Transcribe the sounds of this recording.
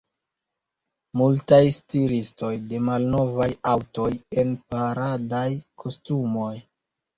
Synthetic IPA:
multajstilisto̞jde̞malno̞vajawto̞je̞npaɾadajkʰostumo̞j

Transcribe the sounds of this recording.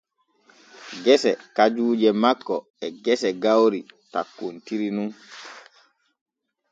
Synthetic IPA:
ɡɛsɛkad͡ʒuːd͡ʒɛmakːɔ | ɛɡɛsɛɡawɾitakːuntiɾinun

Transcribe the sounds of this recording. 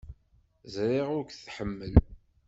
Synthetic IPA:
zɾˤɪʁʊɾkθħəmːəl

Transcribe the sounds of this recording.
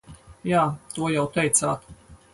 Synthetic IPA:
jaːt̪uɔjawt̪ɛjt̪saːt̪

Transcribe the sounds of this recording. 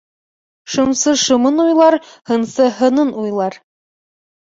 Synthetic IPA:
ʃɤ̆msɤʃɤ̆mɤnujlˠɑɾhɤ̆nsɤɦɤ̆nɤnujlˠɑɾ

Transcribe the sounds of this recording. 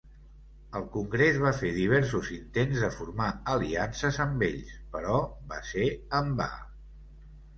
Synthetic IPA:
əlˠkuŋɡɾezβ̞afeðiβ̞ɛɾsuzint̪enzðəfuɾmaəliansəzəmbeʎspəɾɔba̰seəmba̰

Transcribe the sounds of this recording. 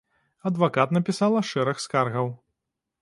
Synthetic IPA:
ɐd̪vakat̪nɐpʲisalˠɐʂɛɾɐxskarɣɐw

